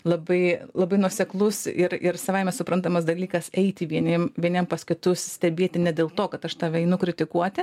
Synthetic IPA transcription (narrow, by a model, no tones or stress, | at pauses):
lˠɐbɐɪlˠɐbɐɪnuɔsʲɛklˠʊsɪɾɪɾsɐʋɐɪmʲɛsʊpɾɐnt̪ɐmɐsd̪ɐlʲiːkɐsɛɪt̪ʲɪʋʲiɛnʲiɛmʋʲiɛnʲiɛmpɐsʲkʲʊt̪ʊssʲt̪ʲɛbʲeːt̪ʲɪnʲɛd̪ʲeːlˠt̪oːkɐt̪ɐʃt̪ɑːʋʲɛɪnʊkɾʲɪt̪ʲɪkuɔt̪ʲɪ